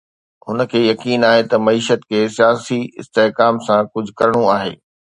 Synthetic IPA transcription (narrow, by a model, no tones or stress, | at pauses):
ɦʊnə̆kʰeːjɐkiːnaːɦet̪ɐmɐiːʃət̪kʰeːsijaːsiɪ̰st̪eɦkaːmsãkʊd͡ʑʱʊ̆kɐɾɽ̃oaːɦḛː